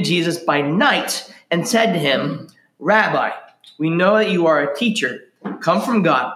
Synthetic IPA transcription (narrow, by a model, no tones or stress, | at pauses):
d͡ʒizɨsb̥aɪnaɪɾɨ̃nsɛd̚tɨɪ̃m | ɹæba̰ɪ | winoʊðɨt͡ʃɨə˞ɨtʰit͡ʃə˞ | kʰʌ̃ɱfɹʌ̃mɡɑ̰d̚